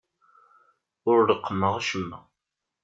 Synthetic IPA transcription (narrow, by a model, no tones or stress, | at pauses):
ʊɾləqːəmːəʁaʃəmːæ